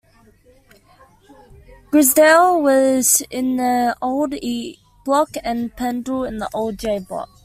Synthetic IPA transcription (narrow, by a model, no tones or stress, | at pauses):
ɡ̥ɹɪzdɛlˠwɒz̥ɪ̃nðəoʊlˠd | b̥lɒkə̃npʰæ̃ndəlˠɪ̃nðəʔoʊlˠd̚d͡ʒeɪblɒ̰k̚